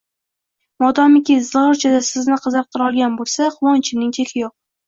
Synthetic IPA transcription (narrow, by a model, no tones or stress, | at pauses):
mɒd̪ɒmɪkʲɪzɒɾt͡ʃʰad̪asɪznɪqʰɨzɨq̚t̪ʰɨɾɒlˠɡʲanbolˠsaχʊwɒnt͡ʃʰɪnɪŋt̪ʰekʲʰɪjoq̚